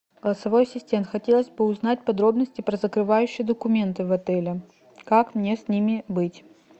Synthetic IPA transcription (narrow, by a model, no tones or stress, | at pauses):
ɡ̥əlˠəsɐvo̞jsʲɪsʲtʲe̞nxɐtʲe̞lˠəzʲbɨʊznat̚ʲpɐd̪ɾo̞bnəsʲtʲɪpɾəzəkɾɨvajʉɕːɪjəd̪əkʊmʲe̞nt̪ɨvɐt̪ɛlʲɪ | kakmnʲesʲnʲimʲɪbɨtʲ